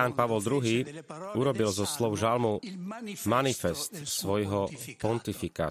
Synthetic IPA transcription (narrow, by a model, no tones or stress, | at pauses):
aːnpaʋɔld̪ɾuɦiːuɾɔbilzɔslɔʊʒalmu | manifɛst̪sʋɔjɦɔpɔnt̪ifika̰ː